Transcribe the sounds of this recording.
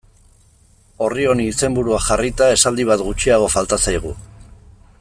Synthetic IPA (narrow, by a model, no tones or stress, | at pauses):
o̞rio̞niːse̞mbuɾuaxarit̪ae̞sald̪iβ̞at̪ɡut͡ʃiaɣ̞o̞falt̪asajɣ̞ṵ